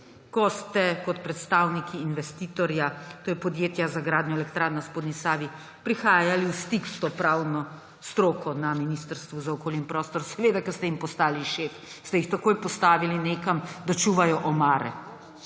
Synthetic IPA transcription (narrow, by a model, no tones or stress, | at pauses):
kɔst̪ɛkɔt̪pɾɛt̪st̪awnikʰiːnʋɛst̪iːt̪ɔɾjat̪oːjɛpɔd̪jeːt̪jazaɡɾaːd̪njɔɛlɛkt̪ɾaːɾnaspod̪nisaːʋi | pɾixaːjaliwst̪ikst̪ɔpɾawnɔ | st̪ɾoːkʰɔnaminist̪əɾst̪ʋuzaɔkoːljɛimpɾɔːst̪ɔɾsɛʋeːd̪akɛst̪ɛimpɔst̪aːliʃef | st̪ɛjixt̪akoːjpɔst̪aːʋilineːkamd̪at͡ʃuʋajɔʔɔmaːɾɛ̰